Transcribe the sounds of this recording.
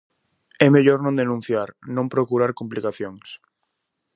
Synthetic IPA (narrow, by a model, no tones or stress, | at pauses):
ɛmeʎoɾnõnd̪enũn̟θjaɾnõmpɾokuɾaɾkumplikaθjoŋs